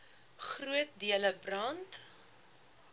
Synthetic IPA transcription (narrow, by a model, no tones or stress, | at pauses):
χruət̚diələbrɐnt